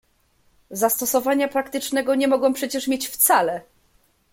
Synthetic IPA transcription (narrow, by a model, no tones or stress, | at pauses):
zast̪ɔsɔvaɲapɾakt̪ɘt͡ʂnɛɡɔɲɛmɔɡɔ̃w̃pʂɛt͡ɕɛʂmʲjet͡ɕft̪salɛ